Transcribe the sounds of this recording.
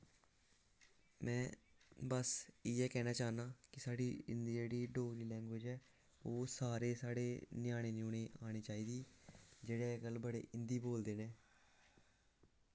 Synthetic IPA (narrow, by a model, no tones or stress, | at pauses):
mɛ̃ːbəsiːɛːkɛːnaːt͡ʃaːnaːkɪsaːɽiːɪ̰nd̪d͡ʒeːɽiːɖoːɡɾiːlɛ̃ːŋɡʋeːd͡ʒɛː | oːsaːɾeːsaːɽḛːnɪjaːɽ̃eːnõːneːʔaːɽ̃iːt͡ʃaːiːd̪iːd͡ʒeːɽeːɡəlbəɽḛːʔɪnd̪iːboːld̪eːnẽː